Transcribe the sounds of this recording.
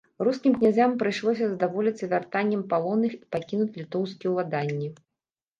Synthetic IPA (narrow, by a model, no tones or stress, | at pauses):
ruskʲimknʲazʲampɾɨjʂlˠɔsʲɐzɐd̪avɔlʲit̪ʲsɐvʲart̪anʲːɐmpalˠɔnɨxi̥pakʲinut͡sʲlʲit̪ɔwskʲiɛwlˠad̪anʲːi